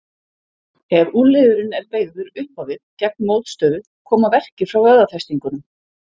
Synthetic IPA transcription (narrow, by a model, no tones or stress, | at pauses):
ɛɾuːlɪðʏɾɪnɛɾpeːjɣðʏɾʏhpawvɪðcɛk̚nmoːwt̪st̪œːðʏ | kʰɔːmavɛr̥cɪɾ̥fɾawœðaθɛst̪iŋkʏnʏm